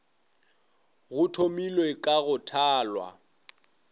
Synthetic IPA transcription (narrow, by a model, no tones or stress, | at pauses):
ɣʊtʰomilwekʼaɣʊtʰaːlwa̰